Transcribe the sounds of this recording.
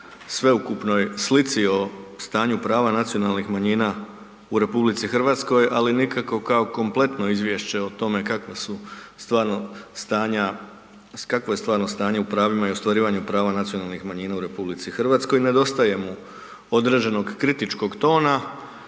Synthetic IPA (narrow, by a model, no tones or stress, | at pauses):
sʋe̞ukupno̞jslit̪sio̞st̪aːɲupɾaːʋanat̪sijo̞nalnixmaɲiːna | uɾe̞publit̪sixr̩ʋaːt̪sko̞jalinikako̞kaoko̞mplˠe̞t̪no̞izʋje̞ʃt͡ɕe̞ot̪o̞me̞kakʋasust̪ʋaːɾnost̪aːɲa | kakʋoje̞st̪ʋaːɾno̞st̪aːɲe̞upɾaːʋimaio̞st̪ʋaɾiːʋaɲupɾaːʋanat̪sijo̞nalˠnixmaɲiːnauɾe̞publit̪sixr̩ʋaːt̪sko̞jne̞d̪o̞st̪aje̞mu | o̞d̪ɾe̞d͡ʑe̞no̞ɡkɾit̪it͡ʃko̞ɡt̪o̞ːna